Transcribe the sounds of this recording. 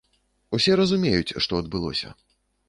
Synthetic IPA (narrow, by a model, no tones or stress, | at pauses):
usʲɛɾɐzumʲejut͡sʲʂt̪ɔɐd̪̚bɨlˠɔ̰sʲɐ̰